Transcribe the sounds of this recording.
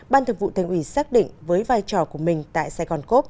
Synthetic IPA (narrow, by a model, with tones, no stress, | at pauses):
ɓaː˧nt̪ʰə˨˧˩ŋvṵ˧˨t̪ʰa˧˩ŋ̟ʔwi˧˩saː˦˥k̚ɗḭ˧˨ŋ̟vəː˨˦jvaː˧jt͡ɕɔ˨˩ku˧˩əmï˨˩ŋ̟t̪a̰ː˧˨jsaː˧ɣɔ˧˩nko˦˥p̚